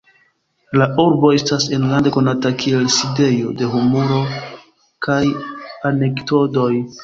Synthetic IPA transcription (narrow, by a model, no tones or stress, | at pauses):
lauɾbo̞e̞stasenlande̞ko̞natakie̞lside̞jo̞de̞ɦumoɾo̞ | kajane̞kto̞do̞j